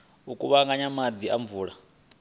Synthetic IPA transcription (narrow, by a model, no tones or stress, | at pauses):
ukʼuβaŋɡaɲamad̪iaɱvuːɺa